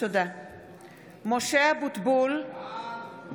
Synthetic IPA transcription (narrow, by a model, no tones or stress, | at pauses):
od̪a | moʃeabut̪bul